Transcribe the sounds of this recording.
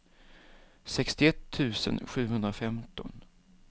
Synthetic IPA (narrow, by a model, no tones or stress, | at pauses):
sɛkst̪ɪɛt̪ʰːʉ̟ːsə̰nɧʉ̟ːɦɵnd̪ɾafɛmt̪ɔn